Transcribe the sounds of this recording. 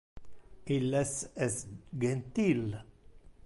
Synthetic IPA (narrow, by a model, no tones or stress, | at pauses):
ilːesɛsɡent̪il